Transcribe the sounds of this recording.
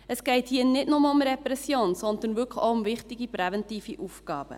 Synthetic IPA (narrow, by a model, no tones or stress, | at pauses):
əsɡ̥ɛɪthiːənɪdnʊməʊmɾɛpɾɛsjoːnsɔnd̪ənʋʏkχoʊʊmvɪχtiɡipɾɛvɛntiːfiʔufɡɑːb̥ə̰